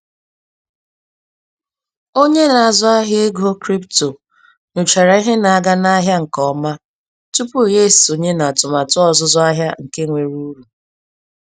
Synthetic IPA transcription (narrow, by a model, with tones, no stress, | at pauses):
o˦ɲe˦na˨a˨zʊ˦a˦ɦe˦ɡo˦kɾi˦pto˨ | nʊ˨t͡ʃa˨ɾa˨i˦ɦe˦na˨a˨ɡa˦na˦ɦja˦ŋ̩˨kɔ˦ma˦ | tu˦pu˦˨je˦˨so˨ɲe˦na˨tʊ˨ma˨tʊ˦ɔ˦˨zʊ˦zʊ˦a˦ɦja˦ŋ̩˨ke˦ŋʷe˨ɾu˦ɾu˨